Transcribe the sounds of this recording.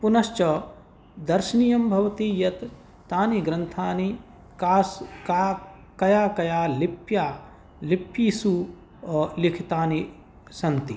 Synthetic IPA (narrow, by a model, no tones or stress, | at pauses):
punɐʃt͡ʃɐ | d̪ɐɾʃɐnijɐmbʱɐʋɐt̪ijɐt̪ː | aːniɡɾɐnt̪ʰaːni | kaːsa | kɐjaːkɐjaːlipjaː | lipːjisuː | likʰit̪aːni | sɐnt̪i